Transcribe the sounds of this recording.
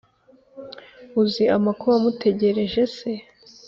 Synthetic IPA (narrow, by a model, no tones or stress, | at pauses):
uziʔamakuamute̞ɟe̞ɾe̞ʒe̞se̞